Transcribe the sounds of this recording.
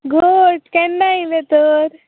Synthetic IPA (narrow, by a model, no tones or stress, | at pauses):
ɡoɖkɛnːailet̪əɾ